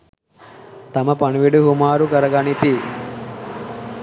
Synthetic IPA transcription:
t̪ɐmɐpɐɳuʋiɖuɦumaːɾukɐɾɐɡɐɳit̪i

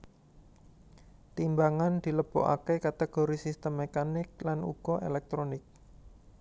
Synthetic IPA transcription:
t̪imbaŋand̪̥i̤ləb̥ɔ̰ʔa̰kekat̪eɡ̥oɾisist̪əmːekanɪk̚lanṵɡ̥ɔʔelɛk̚t̪ɾonɪk̚

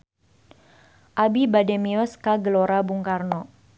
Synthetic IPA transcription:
ʔabibadɛmiɔskaɡəloɾabuŋkarnɔ

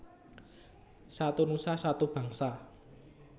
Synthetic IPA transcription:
sat̪unusasat̪ub̥ä̤ŋsa

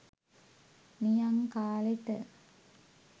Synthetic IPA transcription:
nijaŋkaːleʈə

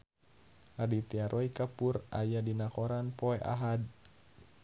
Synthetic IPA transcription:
adit̪iaɾʔɔikapura̰jadinakɔɾanpɔɛʔa̰ɦad̚

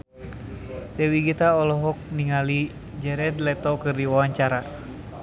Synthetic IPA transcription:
dɛwiɡit̪aɔlɔɦɔk̚niŋali | d͡ʒɛɾɛdlɛt̪ɔkɨrdiwawaɲt͡ʃaɾa

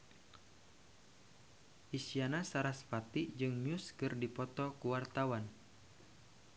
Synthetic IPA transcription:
ʔisianasaɾaspat̪id͡ʒɨŋnʊskɨrdipɔt̪ɔkuwart̪awan

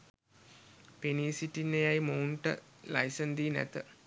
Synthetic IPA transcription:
peniːsiʈinːejajmouɳʈə̰lajsənd̪iːnæ̰t̪ə

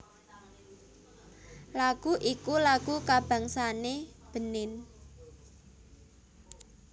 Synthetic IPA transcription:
laɡ̥uʔikulaɡ̥ukab̥ä̤ŋsaneb̥ə̤nɪn

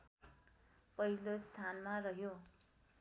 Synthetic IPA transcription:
pʌɦilost̪ʰanmarʌɦjo

